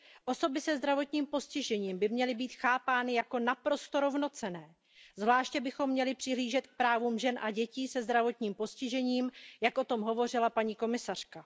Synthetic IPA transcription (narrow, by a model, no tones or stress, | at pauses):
ʔo̞so̞bɪsɛzd̪ɾavo̞t̪ɲiːmpo̞scɪʒɛɲiːmbɪmɲɛlɪbiːt̪xaːpaːnɪjako̞napɾo̞st̪o̞ɾo̞vno̞t͡sɛnɛː | zvlaːʃcɛbɪxo̞mːɲɛlɪpr̝̥ɪɦliːʒɛt̪k̚pɾaːvuːmʒɛnʔaɟɛciːsɛzd̪ɾavo̞t̪ɲiːmpo̞scɪʒɛɲiːmjakʔo̞t̪o̞mɦo̞vo̞r̝ɪlapaɲiːko̞mɪsar̥ka